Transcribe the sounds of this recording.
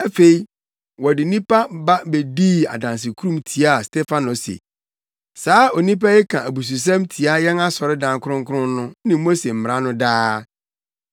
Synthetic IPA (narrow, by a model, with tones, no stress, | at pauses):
æ˦fe˨i˨ | wɔ˨dɪ˨nĩ˦pa˦ba˦be˨di˦a̰˨dã˨ns̬ɪ˨kʰu˦ɾũ˦˨mtʰi˨˦a˦˨stʰɛ˦fa˦nɔ˨sḛ˨ | saː˨˦o˨nĩ˦p̬a˦jɪ˦kʰã˨ʔæ˨bu˨s̬u˨s̬ã˦mtʰi˨a˦jɛ˦na˦sɔ˨ɾɪ˦dã˨ŋ˦kʰʊ˦ɾʊ̃˦ŋ̩˦kʰʊ˦ʊ̃˦nʊ̃˦nɪ̃˨mo˦se˨m̩˨m˨ɾã˦nʊ̃˦daː˦